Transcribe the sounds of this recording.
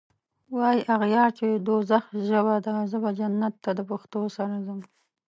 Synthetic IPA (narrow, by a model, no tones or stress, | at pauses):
wɑjʔaɣjɑːɾt͡ʃed̪ozaxʒəbad̪azəbad͡ʒanːat̪ːad̪əpaxt̪osaɾazəm